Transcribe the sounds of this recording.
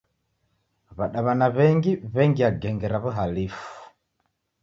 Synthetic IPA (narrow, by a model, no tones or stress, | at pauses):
βaɗaβanaβɛŋɡiβɛŋɡiaɡɛŋɡɛɾaβuɦalifu̥